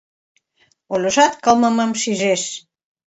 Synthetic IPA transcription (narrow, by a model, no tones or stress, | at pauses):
olʲoʃɑt̪kɑlmə̆məmʃiʒeʃ